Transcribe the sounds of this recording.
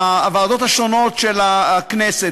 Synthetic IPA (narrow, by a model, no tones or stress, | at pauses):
vad̪o̞t̪haʃono̞t̪ʃelaknese